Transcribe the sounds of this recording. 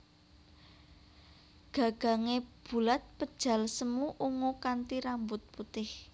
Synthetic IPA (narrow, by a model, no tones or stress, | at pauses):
ɡ̥ä̤ɡ̥a̤ŋeb̥ṳlat̪̚pəd̥ʒ̥ä̤lsəmuʔuŋokant̪iɾambʊt̪̚put̪ɪh